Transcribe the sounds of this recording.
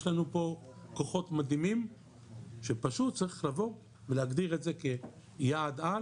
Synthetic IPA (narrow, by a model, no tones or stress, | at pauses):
ʃlanupo̞ko̞χo̞tmad̪imim | ʃe̞paʃutt͡saʁiχlavo̞ | veleaɡdiʁetze̞ke̞ | jaːda